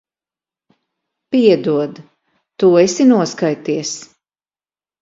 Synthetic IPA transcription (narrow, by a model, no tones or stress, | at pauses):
piɛd̪uɔd̪ | t̪uːesinuɔskajt̪iɛs